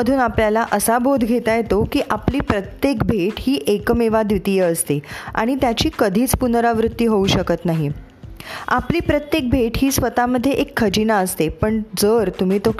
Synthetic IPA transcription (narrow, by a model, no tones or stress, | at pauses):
əd̪ʱuːnapljalaʔəsabʱod̪ʱɡʱet̪ajet̪okiːʔapliːpɾət̪jekbʱeʈhiːʔekəmeʋad̪ʋit̪ijəəst̪ea̰ɽ̃it̪jat͡ɕiːkəd̪ʱiːt͡spunɾaʋɾut̪ːiːɦouɕəkət̪naɦi | a̰pliːpɾət̪jek̚bʱeʈɦiːsʋət̪aməd̪ʱːjeʔekʰːəd͡ʑinaəst̪epəɳd͡zəɾt̪um̤iːt̪o